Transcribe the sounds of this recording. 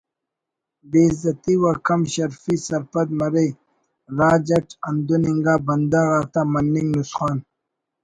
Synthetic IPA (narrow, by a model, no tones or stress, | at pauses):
beːzɐt̪iwakɐmɕɐɾfisɐɾpɐd̪mɐɾe | ɾaːd͡ʑɐʈɐnd̪uniŋɡaːbɐnd̪aɾaːt̪amɐnːiŋɡnusxaːn